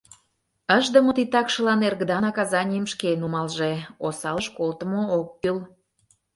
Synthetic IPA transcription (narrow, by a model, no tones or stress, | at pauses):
əʒd̪ə̆mot̪it̪ɑkʃə̆lɑnerɣd̪ɑnɑkɑzɑnʲijəmʃkenumɑlʒeosɑləʃkolt̪əmook̚kyl